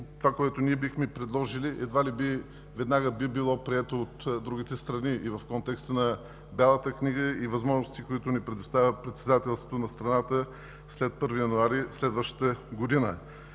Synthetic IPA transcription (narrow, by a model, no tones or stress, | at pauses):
tt̪ːovakoɛt̪ʊniɛbixmɛpɾɛd̪lˠɔʒiliʔɛd̪valibi | vɛd̪naɡəbibilˠɔpɾiɛt̪oot̪d̪ɾuɡ̟it̪ɛst̪ɾɐniʔivəfkɔnt̪ɛkst̪ənɐ | balˠət̪əkniɡəivɐzmɔʒnʊst̪ikoit̪ʊnipɾɛd̪ʊst̪avʲəpɾɛt̪sɛd̪at̪ɛlˠst̪vo̥t̪onɐst̪ɾɐnat̪ə | slɛt̪̚pɤɾvijɐnʊaɾislɛd̪vəʃt̪ə̥t̪əɡod̪inə